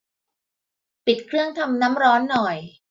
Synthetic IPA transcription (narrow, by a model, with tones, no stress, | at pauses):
pi˨˩t̪̚kʰɾɯ˥˩əŋt̪ʰa˧mna˦˥mɾɔː˦˥nːɔ˨˩j